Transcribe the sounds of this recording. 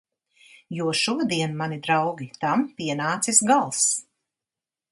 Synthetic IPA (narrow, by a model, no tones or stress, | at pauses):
juɔʃuɔd̪iɛnmanid̪ɾawɡʲit̪ampiɛnaːt̪sisɡalˠs